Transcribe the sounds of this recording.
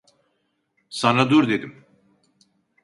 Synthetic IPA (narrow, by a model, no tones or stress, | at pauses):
sanad̪uɾd̪e̞d̪im